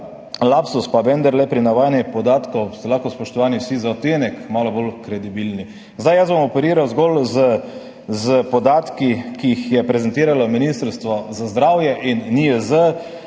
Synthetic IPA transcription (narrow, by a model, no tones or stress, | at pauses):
lapsuspabɛnd̪əɾlɛpɾinaʋaːjanjipɔd̪aːt̪kɔwst̪ɛlaːxkɔspɔʃt̪ɔʋaːniwsizaɔt̪eːnɛkmaːlɔbolkɾɛd̪ibilni | zd̪ajəzbɔmɔpɛɾiːɾawzɡɔlzə | zəpɔd̪aːt̪kikiːxjɛpɾɛzɛnt̪iːɾalɔminist̪əɾst̪ʋɔzazd̪ɾaːwjɛʔinːiəzə